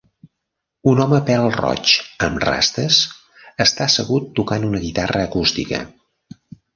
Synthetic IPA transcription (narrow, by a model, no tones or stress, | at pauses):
unɔməpɛɾəlˠrɔ̰t͡ʃəmra̰st̪əs | əst̪asəɣut̪ːukanunəɣit̪arəːkust̪ikə̰